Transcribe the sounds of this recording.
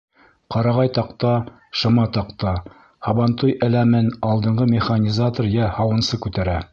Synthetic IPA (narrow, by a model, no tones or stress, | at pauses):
qɑɾɑʁɑjt̪ɑqt̪ɑ | ʃɤ̆mɑt̪ɑqt̪ɑ | hɑβɑnt̪ujʔɘ̆læmɘnɑlˠd̪ɤ̆ɴɢɤmʲɪχanʲizat̪orjæhɑwɤ̆nsɤkʉt̪æɾæ